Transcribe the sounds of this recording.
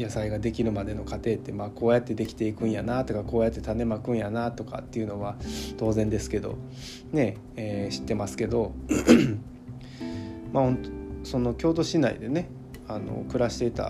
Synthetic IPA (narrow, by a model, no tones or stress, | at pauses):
jasaiɡad̪e̞kʲiɾɯ̟mad̪e̞no̞kat̪e̞ːt̪ːe̞maːko̞ːjat̪ːe̞d̪e̞kʲi̥t̪e̞ikɯ̟̃ɰ̃janat̪o̞kako̞ːjat̪ːe̞t̪ane̞makɯ̟̃ɰ̃janat̪o̞ka̰t̪ːe̞iɯ̟no̞βat̪o̞ːzẽnd̪e̞sɨ̥ke̞d̪o̰ | ne̞ | eːɕi̥t̪ːe̞masɨ̥ke̞d̪o̞ | mahõ̞nt̪oso̞no̞kʲo̞ːt̪o̞ɕinaḭd̪e̞ne̞ | ano̞̰kɯ̟ɾaɕi̥t̪e̞t̪a̰